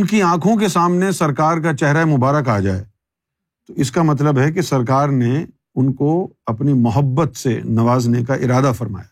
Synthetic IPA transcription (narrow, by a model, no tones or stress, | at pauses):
ʊnkiãːkʰõk̬esaːmnesɐɾkaːɾkat͡ʃɛɦɾaemʊbaːɾəkaːd͡ʒa̰ːḛː | t̪oɪskamɐt̪̬ləbɦɛk̬isɐɾkaːɾne | ʊnkoɐpnimʊɦəbːət̪senɐʋaːznekaʔɪɾaːd̪afɐɾma̰ːjaː